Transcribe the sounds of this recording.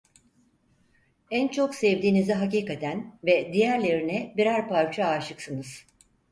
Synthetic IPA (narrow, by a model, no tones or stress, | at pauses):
ænt͡ʃʰo̞ksɛvd̪iːnizɛɦaciːkat̪ʰænvɛd̪ijæɾlʲeɾinɛbiɾæɾpaɾt͡ʃʰaaːʃɯksɯnɯz̥